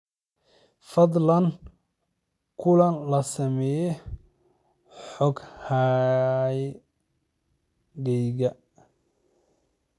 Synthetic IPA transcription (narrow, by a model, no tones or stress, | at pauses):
fɐd̪ˤlɐn | kʰʊlɐnlɐsɐmɛjɛ | ħɔɡha | j | ɡɛjɣɐ